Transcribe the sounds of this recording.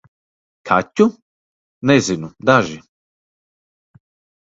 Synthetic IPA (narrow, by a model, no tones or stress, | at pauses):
kʰacʲːu | nɛzinud̪aʒi